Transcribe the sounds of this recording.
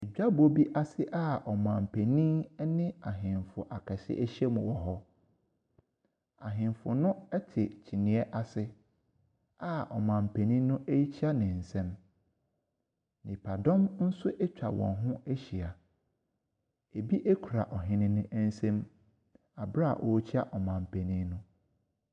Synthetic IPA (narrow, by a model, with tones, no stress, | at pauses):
ɛ˨d͡ʑᶣa˦bo˦bi˦ʔa˦sɪ˦ʔa˦ʔɔ˨mã˨m˨pʰɛ˨nĩ˦nɪ̃˦a˨ɦɪ̃˨nfʊ˨ʔa˨kʰɛ˨sɪ̰˦ʔɛ˦ɕɛ˦mʊ̃˨wɔ˨ɦɔ˦ | a̰˨ɦɪ̃˨nfʊ˨nʊ̃˦ɛ˦tʰɪ˨t͡ɕʰi˨nĩ˨ɛ˦ʔa˨sɪ˦ | a˦ɔ̰˨mã˨m̩˨pʰɛ˨nĩ˦nʊ̃˦ʔe˦i˦t͡ɕʰa˦nɪ̃˨n̩˨sɛ̃˦m | nɪ̃˨pʰa˨dɔ̃˦mn̩˦sʊ˦ʔɛ˦t͡ɕᶣa˨wɔ̰̃˨nɦʊ̃˦e˦ɕi˨a˨ | e˨bi˦ʔe˦kʰu˨ɾa˨ʔɔ˨ɦɪ̃˦nɪ̃˦nɪ̃˦ʔn̩˦sɛ̃˦m | a˨bɾa˦a̰˨ʔɔ˨˦t͡ɕʰi˦a˦ʔɔ˨mã˨m˨pʰɛ˨nĩ˦nʊ̃˦